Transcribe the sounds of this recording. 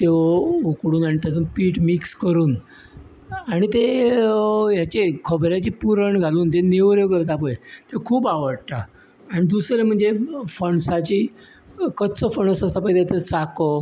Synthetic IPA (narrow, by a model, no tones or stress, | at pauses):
t̪eʋukɽuːnaɽ̃it̪at͡səpiːʈmikskəɾuːn | aɽ̃it̪e | jat͡ɕekʰəbɾjat͡ɕiːpuɾəɳɡʱaluːnt̪eneʋɾjokəɾt̪apəjt̪ekʰuːbaʋəɽt̪aː | ɽ̃id̪uslem̤əɳd͡zefəɳsat͡ɕiː | kəd̪t͡səfəɳəsəst̪apəjt̪jat̪ət͡sakɔ